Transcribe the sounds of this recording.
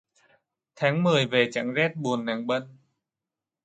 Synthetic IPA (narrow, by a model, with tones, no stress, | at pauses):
t̪ʰaː˨˦ŋmɨ˨˩əjve˨˩t͡ɕa̰˧˥ŋzɛː˦˥t̚ɓu˨˩ənːa˨˩ŋɓə˧˨n